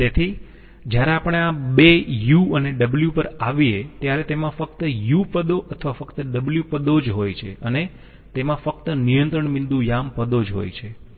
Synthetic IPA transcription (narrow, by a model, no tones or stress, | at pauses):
t̪et̪ʰi | d͡ʒjaɾeapəɽ̃eabejuəneɖəbljupəɾaʋiet̪jaɾet̪emãfək̚t̪əjupəd̪oʔət̪ʰəʋafəkt̪əɖəbljupəd̪od͡ʒɦojt͡ʃʰeəne | t̪emãfək̚t̪ənijənt̪ɾəɳmĩnd̪ũjampəd̪od͡ʒɦo̰jt͡ʃʰe